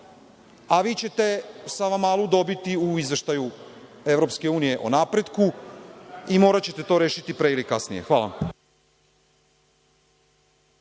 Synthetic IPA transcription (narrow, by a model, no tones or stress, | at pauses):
aʋiːt͡ɕe̞t̪e̞saʋamaːlˠud̪o̞bit̪iuizʋe̞ʃt̪aju | e̞vɾopske̞uːnije̞ʔo̰naːpɾe̞d̪ku | imo̞ːɾat͡ɕe̞t̪e̞t̪o̞ːɾe̞ːʃit̪ipɾeilikasnije̞̰xʋaːla̰m